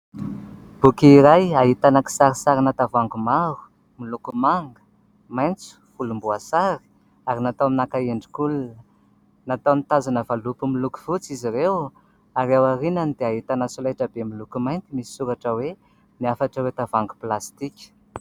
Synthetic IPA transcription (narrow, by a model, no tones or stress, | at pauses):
b̥ukiɾajaɦit̪anaki̥saɾisaɾinat̪avaŋɡumaɾu̥ | milukumaŋɡə̥ | majnt͡su̥fulumbuasaɾi̥ | aɾinat̪awminakaeɳɖ͡ʐikulunə | nat̪amit̪azanəvalupumiluku̥v̥ut͡siziɾew | aɾewaɾinanid̪eaɦit̪anasulaʈ͡ʂəbemilukumajnt̪imisi̥suɾaʈ͡ʂəwe | niafaʈ͡ʂəwet̪avaŋɡu̥plast̪ikʲə̥